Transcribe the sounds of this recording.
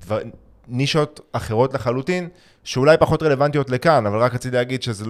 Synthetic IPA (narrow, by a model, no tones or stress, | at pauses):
dva | niʃotaχe̞ʁo̞tleχalutin | ʃeulajpaχo̞tʁele̞vantijo̞tlekanavalʁakat͡sidleːɡid̪ʃezel